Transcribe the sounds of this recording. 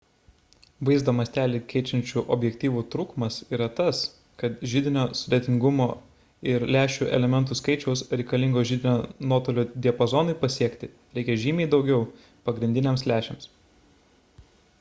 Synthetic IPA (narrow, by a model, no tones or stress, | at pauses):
ʋɐɪzd̪oːmɐst̪ʲæːlʲikʲɛɪt͡ʃʲɛnʲt͡ʃʲuːʔɔːbʲjɛkt̪ʲiːʋuːt̪ɾuːkmɐsiːɾɐt̪ɐs | kɐt̪ʒʲɪd̪ʲɪnʲoːsʊd̪ʲeːt̪ʲɪŋɡʊmoː | ɪɾlʲæːʃʲuːʔɛ̰lʲɛmʲɛnt̪uskɐɪt͡ʃʲɛʊsɾʲɛɪkɐlʲɪŋɡoːʒʲɪd̪ʲɪnʲoːnoːt̪oːlʲoːd̪ʲiɛpozɔnʊɪpɐsʲiɛkt̪ʲɪ | ɾʲɛɪkʲɛʒʲiːmʲɛːd̪ɒʊɡʲɛʊ | pɐɡɾʲɪnʲd̪ʲɪnʲɛmslʲæːʃʲḛms